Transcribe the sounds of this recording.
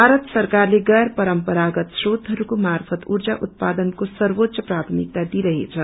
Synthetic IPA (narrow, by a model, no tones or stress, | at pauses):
bʱaɾʌt̪sʌrkarleɡʌrpʌɾʌmpʌɾaɡʌt̪srot̪ɦʌɾukomarpʰʌt̪urd͡zaʔut̪̚pad̪ʌnkosʌrbot̪ːsʌprat̪ʰmik̚t̪ad̪iɾʌɦet͡sʰʌ